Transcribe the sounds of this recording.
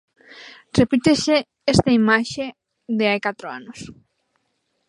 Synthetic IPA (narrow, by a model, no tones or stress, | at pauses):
repit̪ese | est̪ɐimaʃe | d̪eajkat̪ɾoa̰nos